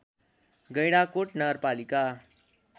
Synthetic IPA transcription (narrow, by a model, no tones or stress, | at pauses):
ɡʌjɽakoʈnʌɡəɾpalika